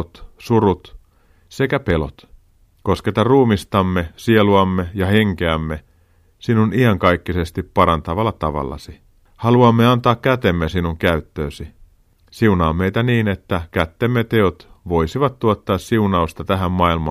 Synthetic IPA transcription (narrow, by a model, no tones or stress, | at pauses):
t̪surut̪ | se̞kæpe̞lo̰t̪ | ko̞sket̪ɑrruːmist̪ɑmːe̞sieluɑmːejɑhe̞ŋkeæmːe̞ | sinuniɑŋkɑjkːise̞st̪ipːpɑɾɑnt̪ɑʋɑlːɑt̪ɑʋɑ̰lːɑ̰si | hɑluɑmːeɑnt̪ɑːkkæt̪emːesinuŋkæyt̪ːøːsi | siunɑːmme̞jt̪æniːne̞t̪ːækæt̪ːemːet̪e̞ot̪ʋo̞jsiʋɑt̪tuot̪ːɑːssiunɑust̪ɑt̪æɦæmːɑilmɑ